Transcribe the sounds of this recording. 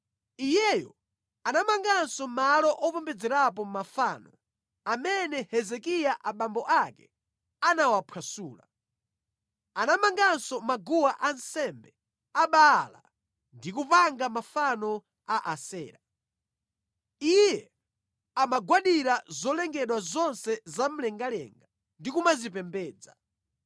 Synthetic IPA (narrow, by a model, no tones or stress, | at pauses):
ijɛjɔ | anamaŋɡansɔmalɔʔɔpɔmbɛd͡zɛɾap̬ɔmmafaːnɔ | amɛnɛhɛzɛkijaʔaɓambɔʔakɛ | anawapʰwasuːla | anamaŋɡansɔmaɡuwaʔansɛmbɛ | aɓaːla̰ | ndikupaŋɡamafanɔ | aʔasɛːɾa | ijɛ | amaɡwaɗiɾazɔlɛŋɡɛɗwazɔnsɛzam̩lɛŋɡalɛ̰ŋɡa | ndikumazipɛmbɛːd͡za̰